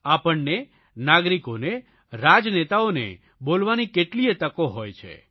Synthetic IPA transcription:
apəɳne | naɡɾikone | ɾad͡ʒnet̪aonḛ | bolʋanikeʈliet̪əkoɦojt͡ʃʰḛ

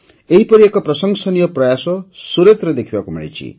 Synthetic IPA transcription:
eɦipʌɾiekɔpɾʌsʌŋsɔnijɔprʌjasɔsuɾet̪ɾʌd̪ekʰibakumḭɭḭt͡sʰḭ

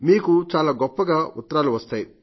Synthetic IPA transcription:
miːkut͡ʃaːlaːɡɔpːɐɡaːut̪ːɐɾaːluʋɐst̪aːji

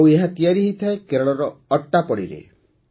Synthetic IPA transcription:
weɦat̪ijaɾiɦit̪ʰaekeɾɔɭɔɾɔːʈːapɔɽḭɾḛ

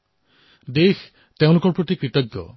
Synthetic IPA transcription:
d̪ex | t̪eʊ̃lukɔɾpɔt̪ikɾiʈɔɡjɔ̰

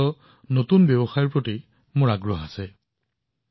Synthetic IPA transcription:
ɔ | notunbjɛbɔxajiɹpɹoti | mʊɹaɡɹɔɦasɛ

